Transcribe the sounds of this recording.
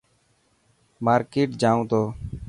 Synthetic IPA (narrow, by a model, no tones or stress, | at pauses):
maːɾkeːʈd͡ʒaːũt̪oː